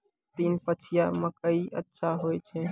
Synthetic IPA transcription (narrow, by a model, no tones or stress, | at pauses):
t̪iːnpət͡ʃʰijaməkəiʔətːʃʰaɦojt͡ʃʰɛ̃